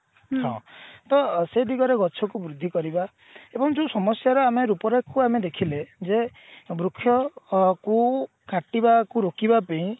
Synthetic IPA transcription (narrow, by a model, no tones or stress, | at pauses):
ɦɔ̰̃t̪ɔsed̪ʱiɡɔɾeɡɔt͡ʃʰɔkubɾud̪ʱːikɔɾiba | ebɔŋd͡ʒusɔmɔsjaɾɔameɾupɔɾakuamed̪ekʰiled͡ʒe | bɾukʰːjɔku | kaʈibakuɾokibapeĩ